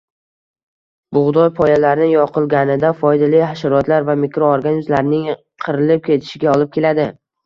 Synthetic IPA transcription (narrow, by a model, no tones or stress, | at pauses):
bʊʁd̪ɒjpʰɒjalaɾɪnɪjɒqʰɨlˠɡʲanɪd̪afɒjd̪alijhaʃaɾɒt̪laɾvamɪkɾooɾɡʲanɪzlaɾnɪŋ | qʰɨɾɪlɪp̚kʲʰe̞t̪ʰɪ̥ʃɪɡʲaɒlˠɪp̚kʲe̞lad̪ɪ